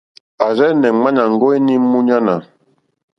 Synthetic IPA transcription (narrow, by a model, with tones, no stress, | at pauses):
a˨ɾɛ˦nɛ˨ŋ͡ma˦ɲa˨ŋ˦ɡo˦i˦ni˦mu˦ɲa˦na˨